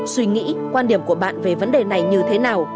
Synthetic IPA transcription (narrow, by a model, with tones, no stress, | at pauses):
swi˧ŋḭ˧˥kwaː˧nɗi˧˩əmku˧˩əɓa̰ː˧˨nve˨˩və˨˦nɗe˨˩na˨˩jɲɨ˧t̪ʰe˨˦naː˨˩w